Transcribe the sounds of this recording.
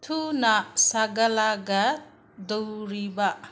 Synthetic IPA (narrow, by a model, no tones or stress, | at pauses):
tʰunasaɡɐlaɡɐ | d̪owɾiba